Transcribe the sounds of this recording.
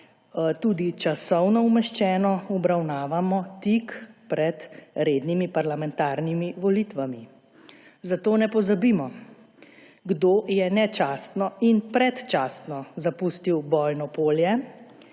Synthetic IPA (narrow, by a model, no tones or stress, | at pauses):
t̪uːd̪it͡ʃasɔwnɔumɛʃt͡ʃɛːnɔɔbɾawnaːʋamɔt̪ikpɾɛt̪ɾeːd̪nimipaɾlamɛnt̪aːɾnimiʋɔlit̪ʋami | zat̪oːnɛpɔzabimɔ | ɡd̪oːjɛnɛt͡ʃaːst̪nɔinpɾɛt̪t͡ʃaːst̪nɔzapuːst̪iwbɔːjnɔpoːljɛ